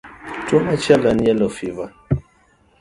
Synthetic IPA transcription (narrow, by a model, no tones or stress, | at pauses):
tɔmat͡ʃalanɛlɔfiva